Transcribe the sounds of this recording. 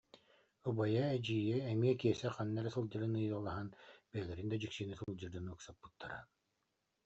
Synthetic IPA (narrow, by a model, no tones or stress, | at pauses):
ubajaɛd͡ʑiːjɛɛmiɛkiɛsɛχanːɛɾɛsɯlˠd͡ʑɯɾɯnɯjɔlˠaɦanb̥ɛːɡiɾind̪ad͡ʑyksiːnisɯlˠd͡ʑɯɾd̪ɯnɯksapːɯ̥t̪ʰːaɾa̰n